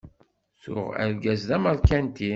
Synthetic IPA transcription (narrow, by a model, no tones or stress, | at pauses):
θʊ̰ʁæ̰ɾɡæzðæməðˤkænt̪i